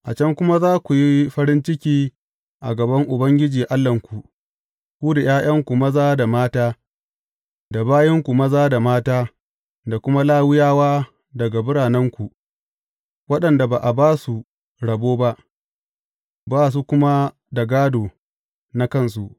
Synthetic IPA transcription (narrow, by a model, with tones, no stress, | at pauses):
ʔa˨t͡ʃɐ˦ŋkʷʊ˦ma˦zaː˦kʷu˨ji˦ɸɐ˦ɾɪ˦nt͡ʃɪ˦kʲiː˦ | ʔa̰˨ɡɐ˨bɐ˦ŋʔʊ˨bɐ˦ŋɡʲɪ˦d͡ʒiː˨ʔa˦lːɐ˨ŋkʷu˨ | kʷuː˦da˨j̰aː˦j̰ɐ˦ŋkʷu˨mɐ˦zaː˦da˨maː˦taː˦ | da˨baː˦jɛ˦ŋkʷu˨mɐ˦zaː˦da˨maː˦taː˦ | da˨kʷʊ˦ma˦laː˦wɪ˦jaː˦waː˦ | dɐ˨ɡa˨bɪ˦ɽaː˨nɐ˦ŋkʷu˨ | wɐ˦ɗɐ˨nda˨baː˨ʔa˨baː˦su˨ | ɽɐ˨boː˦ba˦ʔ | baː˦s̬u˦kʷʊ˦ma˦ | da˨ɡaː˦doː˨ | na˦kɐ˦˨ns̬u˨ʔ